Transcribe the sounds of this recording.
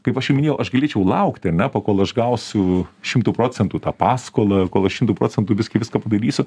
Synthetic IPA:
kɐɪpɐʃjʊmʲnʲeːjɛʊʔɐʃɡɐlʲeːt͡ʃʲɛʊlˠɐʊkt̪ʲɐɾnʲɛpɐkoːlˠɐʃɡɐʊsʲʊʃʲɪmt̪uːpɾoːt͡sʲɛnt̪uːt̪ɑːpɑːskoːlˠɐkoːlˠɐʃʲɪmt̪uːpɾoːt͡sʲsʲɛnt̪uːʋʲɪskʲɪʋʲɪskɐːpɐd̪ɐɾʲiːsʲʊ

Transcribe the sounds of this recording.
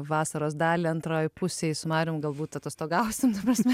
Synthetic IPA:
ʋɑːsɐɾoːsd̪ɑːlʲiɐnt̪ɾoːjpʊsʲeːsʊmɑːɾʲʊːmɡɐlˠbuːt̪t̪ɐt̪ɐst̪oːɡɐʊsʲɪmt̪ɐpɾɐsʲmʲɛ

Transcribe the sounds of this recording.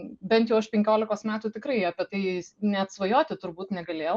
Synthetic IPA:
bʲɛnt̪jɛʊɐʃpʲɛŋʲkʲoːlʲɪkoːsmʲæːt̪uːt̪ʲɪkɾɐɪɐpʲiɛt̪ɐɪnʲɛt̪sʋɐjoːt̪ʲɪt̪ʊrbuːt̪nʲɛɡɐlʲeːjɛ

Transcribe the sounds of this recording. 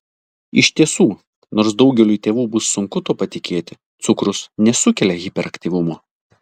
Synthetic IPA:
ɪʃʲt̪ʲiɛsuː | noːɾsd̪ɒʊɡʲɛlʲuːit̪ʲeːʋuːbʊsːʊŋkʊt̪oːpɐt̪ʲɪkʲeːt̪ʲɪ | t̪sʊkɾʊsnʲɛsʊkʲɛlʲɛɣʲɪpʲɛɾʔɐkt̪ʲiːʋʊmoː

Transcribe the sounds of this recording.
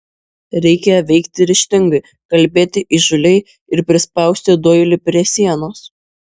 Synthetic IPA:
ɾʲɛɪkʲɛjʋʲɛɪkt̪ʲɪɾʲɪʃʲt̪ʲɪŋɡɐɪ | kɐlʲbʲeːt̪ʲɪʔiʒʊlʲɛɪ | ɪɾpʲɾʲɪspɐˑʊsʲt̪ʲɪd̪oːjlʲɪpʲɾʲeːsʲiɛnoːs

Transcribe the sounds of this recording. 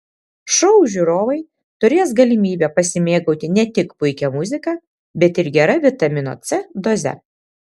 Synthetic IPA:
ʃɔʊʒʲuɾoːʋɐɪ | t̪ʊɾʲeːs̬ɡɐlʲɪmʲiːbʲɛːpɐsʲɪmʲeːɡɐʊt̪ʲɪnʲɛt̪ʲɪkpʊɪkʲɛmʊzʲɪkɐː | bʲɛt̪ɪɾɡʲɛɾɐʋʲɪt̪ɐmʲɪno̰t̪sʲɛd̪ɔzʲɛ̰

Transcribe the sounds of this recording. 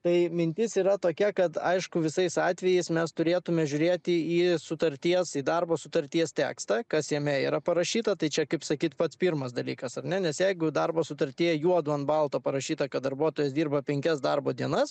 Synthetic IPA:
t̪ɐɪmʲɪnʲt̪ʲɪsiːɾɐt̪oːkʲɛkɐt̪ɐ̰ɪʃkʊʋʲɪsɐɪsɑːt̪ʲʋʲɛjɛɪsmʲɛst̪ʊɾʲeːt̪ʊmʲɛʒʲʊɾʲeːt̪ʲɪiːsʊt̪ɐɾʲt̪ʲiɛsiːd̪ɐrboːsʊt̪ɐɾʲt̪ʲiɛst̪ʲæ̰ːkst̪ɐkɐsjiɛmʲɛiːɾɐpɐɾɐʃʲiːt̪ɐt̪ɐɪt͡ʃʲɛkɐɪpsɐkʲiːt̪pɐt̪spʲirmɐsd̪ɐlʲḭːkɐsɐrnʲɛnʲɛsjɛɪɡʊd̪ɐrboːsʊt̪ɐɾʲt̪ʲiɛjɛjuɔd̪ʊɐnbɐlˠt̪oːpɐɾɐʃʲiːt̪ɐkɐt̪̚d̪ɐɾbuɔt̪oːjɛsd̪ʲiːrbɐpʲɛŋʲkʲɛsd̪ɐrboːd̪ʲiɛnɐs

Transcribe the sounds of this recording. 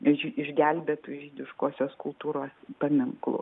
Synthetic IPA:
ʒʲiɪʒʲɡʲælʲbʲeːt̪uʒʲiːd̪ʲɪʃkoːsʲoːskʊlˠt̪uːɾoːspɐmʲɪŋklˠʊ̰

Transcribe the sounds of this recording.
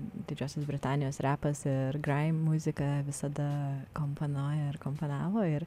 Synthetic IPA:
d̪ʲɪd͡ʒʲoːsʲosbʲɾʲɪt̪ɑːnʲɪjoːsɾʲæːpɐsɪɾɡɾɐɪmːʊzʲɪkɐʋʲɪsɐd̪ɐkomponoːjɐɪɾkomponɑːʋoːɪɾ

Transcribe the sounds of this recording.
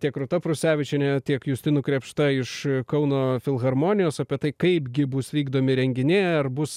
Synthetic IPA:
t̪ʲiɛkɾʊt̪ɐpɾʊsʲæːʋʲɪt͡ʃʲɛnʲɛt̪ʲiɛkjusʲt̪ʲɪnʊkɾʲeːpʃt̪ɐɪʃkɐʊnoːfʲɪlˠɣɐɾmoːnʲɪjoːsɐpʲiɛt̪ɐɪkɐɪpɡʲɪbʊsʋʲiːɡd̪oːmʲɪɾʲɛŋʲɡʲɪnʲeːɐrbʊs

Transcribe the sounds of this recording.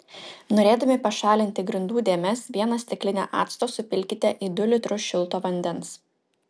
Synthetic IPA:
noːɾʲeːd̪ɐmʲɪpɐʃɑːlʲɪnʲt̪ʲɪɡɾʲɪnd̪uːd̪ʲeːmʲɛsʋʲiɛnɐsʲt̪ʲɪklʲɪnʲḛːʔɑ̰ːt̪st̪oːsʊpʲɪlʲkʲɪt̪ʲɛʔiːd̪ʊlʲɪt̪ɾʊsʃʲɪlˠt̪oːʋɐnʲd̪ʲɛns

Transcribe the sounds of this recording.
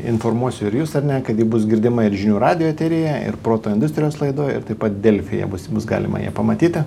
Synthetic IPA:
ɪnfoːɾmuɔsʲʊɪɾjuːsɐɾnʲɛkɐt̪jiːbʊsɡʲɪɾʲd̪ʲɪmɐɪɾʒʲɪnʲuːɾɑːd̪ʲɪjoːt̪ʲɛɾʲɪjɛɪ̰ɾpɾoːt̪oːɪnd̪ʊsʲt̪ʲɾʲɪjoːslˠɐɪd̪oːjɪ̰ɾt̪ɐɪpɐt̪̚d̪ʲelʲfʲɪjɛ̰bʊsbʊsɡɑ̰ːlʲɪ̰mʔɐ̰jɛ̰pɐmɐt̪ʲiːt̪ʲɪ

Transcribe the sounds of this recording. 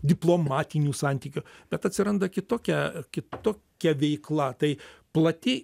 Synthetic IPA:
d̪ʲɪplˠoːmɑːt̪ʲɪnʲuːsɑnʲt̪ʲiːkʲʊb̥ʲɛt̪ɐt̪ʲsʲɪɾɐnd̪ɐkʲɪt̪oːkʲɛkʲɪt̪oːkʲɛʋʲɛɪklˠɐt̪ɐɪplˠɐt̪ʲɪ

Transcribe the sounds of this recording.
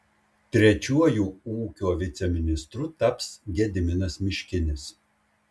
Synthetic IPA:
t̪ʲɾʲɛt͡ʃʲuɔjuːuːkʲoːʋʲɪt̪sʲɛmʲɪnʲɪst̪ɾʊt̪ɐpsɡʲɛd̪ʲɪmʲɪnɐsmʲɪʃʲkʲɪnʲɪs

